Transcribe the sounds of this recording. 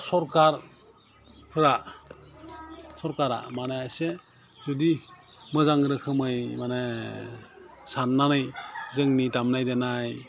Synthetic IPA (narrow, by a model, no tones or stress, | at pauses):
sɔɾkaɾ | pʰɯɾa | sɔɾkaɾa̰manaase | zɔdi | mɯzaŋɾɯkʰɯmɯjmane | sanːanɯjzɯŋnidamnajdenaj